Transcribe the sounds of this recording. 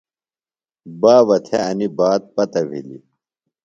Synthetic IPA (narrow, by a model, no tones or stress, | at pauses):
baːʋɐt̪ʰeɐnibaːd̪̚pɐt̪ɐbʱḭlḭ